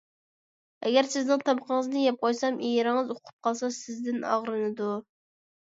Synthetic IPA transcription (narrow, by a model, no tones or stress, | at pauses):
ɛɡʲæɾsɪznɪŋt̪ʰɑməqʰəŋəznɨjɛp̚qʰojsɑmʔejɪɾɪŋɨzoqʰʊ̥p̚qʰɑlˠsɑsɪzd̪ɪnɑ̰ʁɾɨnɨd̪u